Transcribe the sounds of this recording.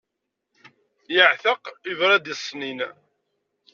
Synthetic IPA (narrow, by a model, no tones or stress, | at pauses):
jəʕθəqivɾˤæd̪isˤːnin